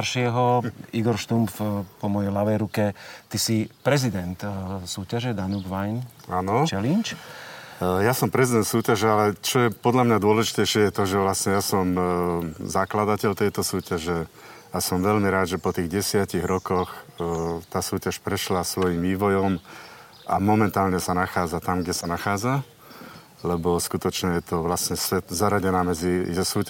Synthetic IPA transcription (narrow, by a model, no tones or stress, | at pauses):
ɾʃɪɛɦɔiɡɔɾʃt̪umfpɔmɔjɛjlaʋɛjɾukɛt̪isipɾɛzid̪ɛnt̪suːcaʒɛd̪anuɡʋajnaːnɔt͡ʃɛlint͡ʃ | jasɔmpɾɛzid̪ɛnt̪suːcaʒɛalɛt͡ʃɔjɛpɔd̪ʎamɲad̪ʊɔlɛʒi̥t̪ɛjʃɪɛjɛt̪ɔʒɛʋlasɲɛjaːsɔm | zaklad̪acɛʎt̪ɛjt̪ɔsuːcaʒɛ | asɔmʋɛlmiɾaːd̪ʒɛpɔt̪iːɣɟɛsɪaciɣɾɔkɔx | t̪aːsuːcaʃpɾɛʃlasʋɔjimʋiːʋɔjɔm | ʔamɔmɛnt̪aːlɲɛsanaxaːd͡zat̪amɡɟɛsanaxaːd͡za | lɛbɔskut̪ɔt͡ʃɲɛjɛt̪ɔʋlasɲɛsʋɛt̪zaɾaɟɛnaːmɛd͡zisuː